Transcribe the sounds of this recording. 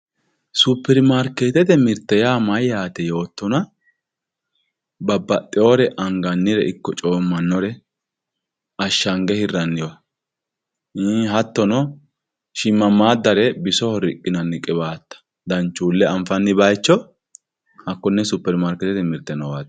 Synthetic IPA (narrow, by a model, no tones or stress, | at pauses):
supːɛɾmaːɾkeːt̪ɛt̪ɛmɪɾt̪ːɛjaːmɐjaːt̪ɛjo̞ːt̪ːɔnɐ | bɐbːɐt̪ʼːɪoːɾɛʔɐŋɡɐnːɪɾɛɪkːɔt͡ʃʼoːmːɐnːɔɾɛ | ɐʃːɐŋɡɛhɪrːɐnːɪjɔ | ɦɐt̪ːɔnɔ | ʃɪmːɐmːaːd̪ːɐɾɛbɪsɔhɔɾɪkʼːɪnɐnːɪkʼːɪbaːt̪ːɐ̥ | d̪ɐnt͡ʃːuːlːɛɐɱfɐnːɪbɐjt͡ʃːɔ | hɐkːɔnːɛsupːɛɾmaːɾkɛt̪ɛt̪ɛmɪɾt̪ːɛnɔwaːt̪